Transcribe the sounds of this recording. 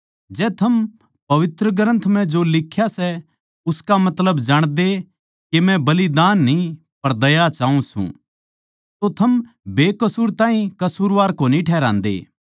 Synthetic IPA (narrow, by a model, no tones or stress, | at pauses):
d͡ʒɛːt̪ʰɐm | pɐʋɪt̪ɾəɡəɾə̃nt̪ʰmɛ̃d͡ʒolɪkʰːjasɛ | ʊskamɐt̪ləbd͡ʒaːɽ̃d̪e | kemɛ̃bɐlid̪aːnːi | pɐɾd̪ɐjat͡ʃaːũsṵ̃ | t̪ot̪ʰɐm | beːkɐsuːɾt̪ãːɦĩkɐsuːɾʋaːɾkoːnĩʈʰɛːɾã̰ːnd̪ḛː